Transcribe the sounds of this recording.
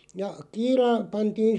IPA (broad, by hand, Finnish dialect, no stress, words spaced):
jɑ kiːlɑ pɑntiːn̞